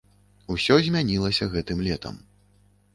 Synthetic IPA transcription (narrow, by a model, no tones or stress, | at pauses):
usʲɔzʲmʲanʲilˠɐsʲɐɣɛt̪ɨmlʲɛt̪ʰɐ̰m